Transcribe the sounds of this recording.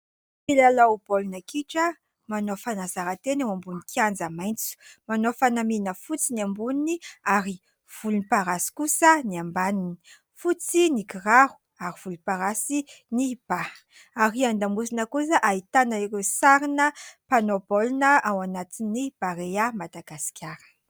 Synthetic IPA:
filalaub̥olunakiʈ͡ʂə | manofanazaɾat̪enawambunikʰiand͡zamajnt͡su̥manofanaminəfut͡siniambuniniaɾi | v̥ulunipaɾasi̥kusəniambanini̥ | fut͡sinikiraɦu̥ | aɾiv̥uluipaɾasi | nib̥a | aɾiand̪amusinəkusəʔait̪anaiɾewsaɾinəpanobolunəawanat̪inːib̥aɾeamad̪aɡasi̥kʲʰaɾə̥

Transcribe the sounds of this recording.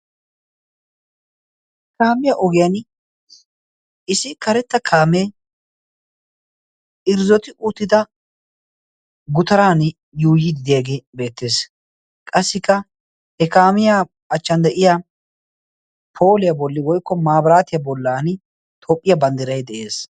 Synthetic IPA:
h | kaːmɪjaʔɔɡɪjɐn | ɪsɪkɐɾɛt̪ːɐkʰaːme | ɪɾzɔt̪ɪʔuːt̪ːɪd̪ɐ | ɡʊt̪ɐɾaːn | juːjɪd̪ɪd̪ɪjaɡeːbe̞ːt̪ːe̞ːs | kʼɐsːɪkːɐ | hɛkaːmɪja | ɐt͡ʃːɐnd̪ɛʔɪja | pʰo̞ːlɪjɐbɔlːɪwɔjkːɔmaːbɾaːt̪ɪjɐbɔlːaːn | t̪ʰoːpʼːɪjɐbɐnd̪ɪɾɐjd̪ɛʔe̞ːs

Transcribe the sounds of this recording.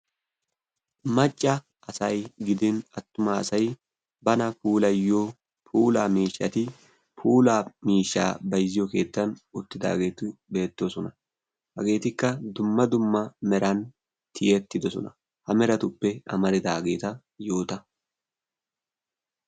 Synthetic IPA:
mɐt͡ʃʼːɐ | ɐsɐjɡɪd̪ɪnɐt̪ːʊmasɐj | bɐnɐpuːlɐjːoː | pʰuːlaːmiːʃːɐt̪ɪ | pʰuːlaːmiːʃːa̰ːbɐjzɪjɔke̞ːt̪ːɐnʊt̪ːɪd̪a̰ːɡe̞ːt̪ɪbe̞ːt̪ːosɔnɐ | hɐɡe̞ːt̪ɪkːɐd̪ʊmːɐd̪ʊmːɐmɛɾɐn | t̪ʰɪjɛt̪ːɪd̪ɔsɔ̰nɐ̰ | hɐmɛɾɐt̪ʊpːɛɐ̰mɐɾɪd̪aːɡe̞ːt̪ɐ | jo̞ːt̪ɐ

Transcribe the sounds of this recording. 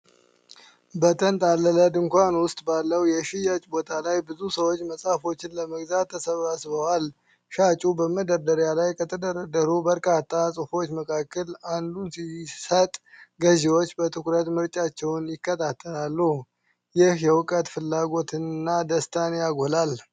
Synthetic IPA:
bət̪ʰʼənt̪ʼalːələd̪ɨŋkʷanwʊst̪ʼbalːəwjɛʃɪjat͡ʃʼbo̞t̪ʰalajbɨzusəwot͡ʃːməsʼafo̞t͡ʃːɪnləməɡzat̪ʰːəsəβasβəwal | ʃat͡ʃʼubəməd̪əɾd̪əɾjalajkʰət̪ʰəd̪əɾəd̪əɾubəɾkʼat̪ʰːasʼɨfo̞t͡ʃːməkʰakːəland̪unsisət̪ʼɡəzewot͡ʃːbət̪ʰɨkɾət̪mɨɾt͡ʃʼat͡ʃːɛwnjɪkːət̪ʰat̪ʰːəlalːuh | jɪhjɛwʊkʼət̪fɨlːaɡo̞t̪ʰɨnːad̪əst̪ʰanjaɡolal

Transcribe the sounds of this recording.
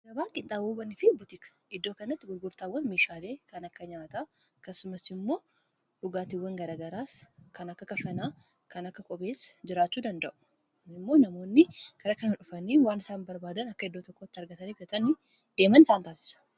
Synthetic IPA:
ɡɐbaːŋkʼɪnt̪ːaːboːbɐnɪfɪbʊt̪ɪkɐ̥ʔɪd̪ːoːkɐnːɐt̪ːɪɡʊɾɡʊɾt̪aːwːɐnmeːʃaːle̞ːkɐnɐkːɐɲaːt̪a | ɐkːɐsːʊmɐsɪmːo̞ː | ᶑʊɡaːt̪ɪwːɐŋɡɐɾaːɡɐɾaːskɐnɐkːɐkɐfɐnaː | kɐnɐkːɐkʼɔbe̞ːsɐ̥d͡ʒɪɾaːt͡ʃːuːd̪ɐnd̪ɐʔʊ̥ | ɪmːo̞ːnɐmo̞ːnːɪɡ̥ɐɾɐkɐnɐᶑʊfɐniːwaːnɪsaːnbɐɾbaːd̪ɐnɐkːɐɪd̪ːoːt̪ɔkːoːt̪ːɪɐɾɡɐt̪ɐniːfɐt̪ɐnɪ | d̪̥e̞ːmɐnɪsaːnt̪aːsɪ̥sɐ̥

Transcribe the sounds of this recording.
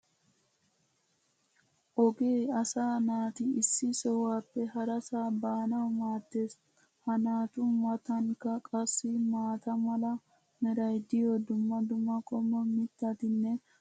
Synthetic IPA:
ʔɔɡeːɐsaːnaːt̪ɪɪsːɪsɔwaːpːɛɦɐɾɐsaːbaːnɐwmaːt̪ːeːs | hɐnaːt̪ʊmɐt̪ɐŋkːɐkʼɐsːɪmaːt̪ɐmɐlɐ | mɛɾɐjd̪ɪjod̪ʊmːɐd̪ʊmːɐkʼɔmːɔmɪt̪ːɐt̪ɪnːɛ

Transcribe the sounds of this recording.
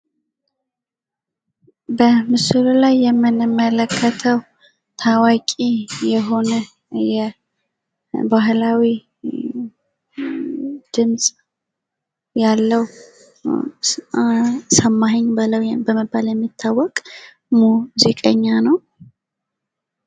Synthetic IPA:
bəmɨsɨlulajːɛmːɨnɨmːələkʰːət̪ʰəw | t̪ʰawakʼijɛɦo̞nə | jɛ | baɦlawi | d̪̥ɨmsʼ | jalːəw | səmːaɦəɲbɨləwbəməbːaljɛmːit̪ʰːawːɔkʼ | muzikʼəɲːanəw

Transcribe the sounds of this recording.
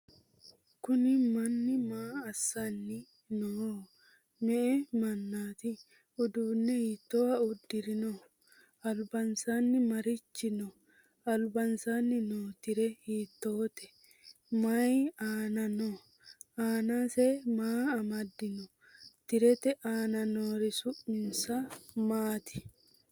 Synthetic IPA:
kʊnɪmɐnːɪmaːɐsːɐnːɪ | no | mɛʔɛmɐnːaːt̪ɪ | ʊd̪uːnːɛhiːt̪ːoːɐʊd̪ːɪɾɪnɔ | ɐlbɐnsaːnːɪmɐɾɪt͡ʃːɪnɔ | ɐlbɐnsaːnːɪnoːt̪ɪɾɛhiːt̪ːoːt̪ɛ̥ | mɐjaːnɐno | aːnaːsɛmaːɐmɐd̪ːɪnɔ | t̪ɪɾɛt̪ɛʔaːnɐnoːɾɪsʊʔmɪnsɐmaːt̪ɪ̥

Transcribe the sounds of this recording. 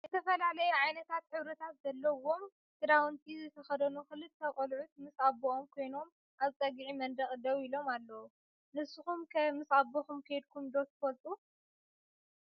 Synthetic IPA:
zɨt̪ʰɐfɐlalɐjɛʕajnɐt̪ʰat̪ħɨβɾɐt̪ʰat̪zɐlːɐwo̞m | t̪ʰɨd̪awunt̪ʰʼizɨt̪ʰɐxɐd̪ɐnuxɨlːɨtt̪ʰːɐkʼɐlʕut̪̚mɨsabːoʔomkʰo̞jno̞m | ʔazɨt͡s̪ʼɐɡiʕimɐnd̪ɐχʼd̪ɐwilo̞malːɐwu | nɨsɨxumkʰɐmɨsabːoxumkʰɐjd̪̚kʰumd̪ot̪ʰːfɐlt̪ʼu

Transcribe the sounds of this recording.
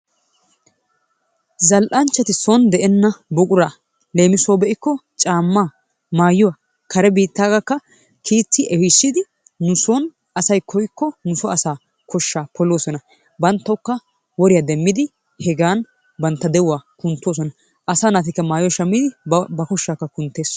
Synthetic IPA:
zɐlʔɐnt͡ʃːɐt̪ɪsɔnd̪ɛʔɛnːɐbʊkʼʊɾa | le̞ːmɪsoːbɛʔɪkːɔt͡ʃʼaːmːaː | maːjɔwɐ | kʰɐɾɛbiːt̪ːaːɡɐkːɐ | kʰiːt͡sːɪʔɛwɪsːɪd̪ɪ | nʊsɔn | ɐsɐjkʰɔjkːɔnʊsɔɐsaː | kʰɔʃːaːpʰɔloːsɔnɐ | bɐnt̪ːɐʊkːɐ | wɔɾɪjaːd̪ɛmːɪd̪ɪ | hɛɡaːn | bɐnt̪ːɐd̪ɛwʊwaːkʊnt̪ːoːs̬ɔnɐ | ʔɐsaːnaːt̪̬ɪkːɐmaːjɔwaʃɐmːid̪ɪbɐkɔʃːaːkːɐkʊnt̪ːe̞ːs

